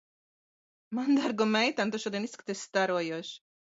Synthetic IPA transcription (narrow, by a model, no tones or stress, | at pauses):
mand̪aɾɡomɛjt̪ant̪oʃɔd̪ɛniskt̪ɛst̪aɾojoʃ